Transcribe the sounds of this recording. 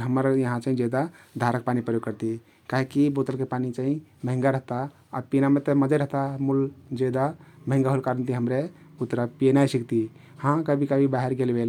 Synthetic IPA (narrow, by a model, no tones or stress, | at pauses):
ɦəməɾjəɦãt͡ʃaĩd͡ʒed̪a | d̪ʱaɾək̚panipɾəjoɡ̚kəɾt̪i | kaɦekibot̪əlkepanit͡ʃaɦĩməɦĩŋɡaɾəɦt̪a | apinamet̪əməd͡ʒəɾəɦt̪amuld͡ʒed̪aməɦĩŋɡaɦolkaɾənt̪iɦəmɾeut̪ɾapinajsikt̪i | hãkəbʱikəbʱibaɦeɾɡelbel